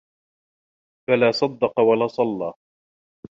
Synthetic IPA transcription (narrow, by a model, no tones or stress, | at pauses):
falaːsˤɑd̪ːɑqɑwalaːsˤɑlːɑː